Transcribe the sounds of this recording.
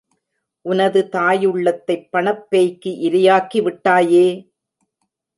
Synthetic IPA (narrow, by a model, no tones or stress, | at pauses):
ʔʊnɐðɯt̪aːjɯɭːɐt̪ːɐɪpːɐɳɐpːejkːɯʔɪɾɪjaːkiʋɪʈːaːjeː